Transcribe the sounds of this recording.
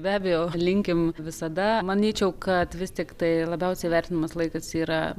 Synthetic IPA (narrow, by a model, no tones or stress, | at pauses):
bʲæːbʲɛjoːlʲɪŋʲkʲɪmʋʲɪsɐd̪ɐmɐnʲiːt͡ʃʲɛʊkɐt̪ʋʲɪst̪ʲɪkt̪ɐɪlˠɐbʲɛʊsʲɛɪʋʲɛrʲt̪ʲɪnɐmɐslˠɐɪkɐsiːɾɐ